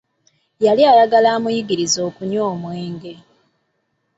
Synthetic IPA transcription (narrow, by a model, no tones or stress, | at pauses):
jaliaɾaɡalaːmujiɡiɾizo̞ːkuɲoːmweːŋɡe̞